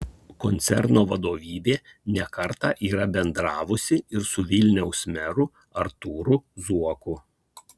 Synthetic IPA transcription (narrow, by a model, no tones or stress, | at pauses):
kɔnʲt̪sʲɛ̰ɾnoːʋɐd̪oːʋʲiːbʲeː | nʲɛkɐɾt̪ɑːʔiːɾɐbʲɛnd̪ɾɑːʋʊsʲɪɪɾsʊʋʲɪlʲnʲɛʊsmʲɛɾʊ | ɐɾt̪uːɾʊzuɔkʊ